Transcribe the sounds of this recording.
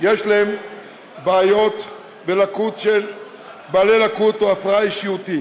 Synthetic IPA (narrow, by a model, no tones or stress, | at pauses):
jeʃlaem | baːjo̞t̪ | velakut̪ʃel | baːlelakut̪oafʁaaiʃiut̪i